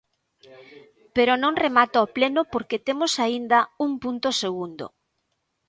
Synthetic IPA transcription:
peɾonõŋremat̪ooplenopoɾket̪emosaind̪ɐuŋpunt̪oseɣ̞und̪o̰

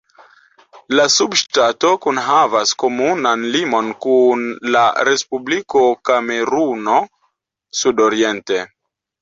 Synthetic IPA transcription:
lasubʃtato̞kunɦavasko̞munanlimo̞nkunlaɾe̞spubliko̞kame̞ɾuno̞ | sudoɾie̞nte̞

